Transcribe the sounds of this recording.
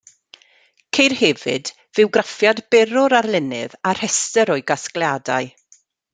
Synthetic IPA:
kʰejrhɛvɨ̰d | vɨwɡrafjadbɛɾʊɾarlˠɪnɨ̰var̥hɛstəɾɔɨɡasklˠjadaɨ

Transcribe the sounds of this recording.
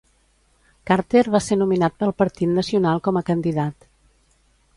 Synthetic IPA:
kaɾt̪erβasenuminat̪̚pəlˠpəɾt̪it̪nəsiunalˠkɔməkənd̪iðat̪

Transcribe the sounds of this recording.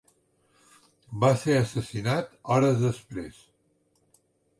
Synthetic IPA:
baseəsəsinat̪ɔɾəzðəspɾes

